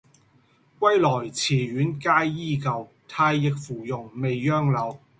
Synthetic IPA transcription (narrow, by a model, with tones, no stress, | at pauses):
kʷɐ˥jlɔː˨˩jt͡sʰiː˨˩ɥyː˨˥nkaː˥jːiː˥˩kɐ˨˧w | t̪ʰaː˧jːɪ˨k̚fuː˨˩jʊ˨˩ŋme˨jːœː˥ŋlɐ˨˥w